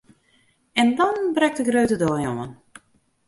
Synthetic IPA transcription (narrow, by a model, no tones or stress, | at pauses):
ɛndɔnbrɛk̚təɡrøɥtədɔːjoən